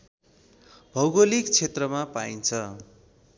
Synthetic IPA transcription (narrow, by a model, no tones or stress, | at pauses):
bʱʌwɡolikt͡sʰet̪rʌmapaint͡sʰʌ